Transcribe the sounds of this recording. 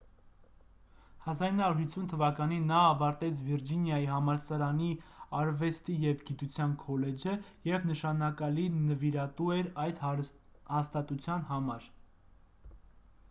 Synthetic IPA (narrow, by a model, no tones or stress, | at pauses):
hɑzɑɾinɑuɾhit͡sʰːunt̪ʰəvɑkɑninːɑːvɑɾt̪ɛt͡sʰviɾd͡ʒinjɑjiɦɑmɑɾsɑɾɑniɑɾvɛst̪ijɛvɡit̪ut͡sʰjɑnkʰɔlɛd͡ʒəjɛvnəʃɑnɑkɑlinːəviɾɑt̪uɛɾɑjd̪ | hɑst̪ɑt̪ut͡sʰjɑnhɑmɑɾ